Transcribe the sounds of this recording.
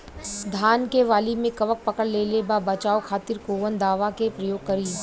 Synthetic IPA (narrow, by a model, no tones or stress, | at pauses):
d̪ʱaːnkeʋaːlimẽkɐʋək̚pɐkəɽleːlebaːbɐt͡ʃaːokʰaːt̪ɪɾkoːʋənd̪aːʋakepɾɐjoːɡ̚kɐɾiː